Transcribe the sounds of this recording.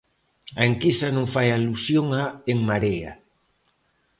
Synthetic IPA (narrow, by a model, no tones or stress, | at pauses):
aeŋkisanõŋfajalusjoŋaeŋmaɾea̰